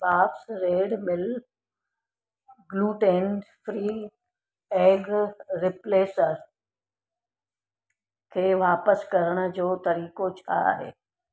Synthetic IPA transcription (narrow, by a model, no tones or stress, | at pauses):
paːfsɾeːɖmɪl | ɡluːʈẽːnɖfʰɾiː | eːɡɾɪpleːsəɾ | kʰeːʋaːpəskɐɾəɽ̃̆d͡ʑoːt̪ɐɾiːkot͡ɕʰa̰ɦḛː